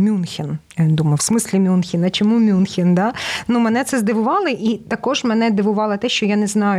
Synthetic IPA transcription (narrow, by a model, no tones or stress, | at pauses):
mʲunxʲin | d̪umɐwsmɪsʲlʲimʲunxʲinɐt͡ʃɔmumʲunxʲind̪ɑnumɛnɛt̪sɛzd̪ɪʋʊʋɑlˠɪʔit̪ɐkɔʒmɛnɛd̪ɪʋʊʋɑlˠɐt̪ɛʃt͡ʃɔjanɛznɑjʊ